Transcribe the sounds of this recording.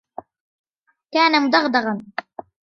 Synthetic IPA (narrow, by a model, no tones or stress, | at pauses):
kaːnamʊd̪ɑɣd̪ɑɣɑn